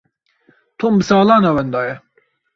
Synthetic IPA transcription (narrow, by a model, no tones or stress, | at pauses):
t̪ʰombɨsɑːlˠɑːnawɛnd̪ɑːjɛ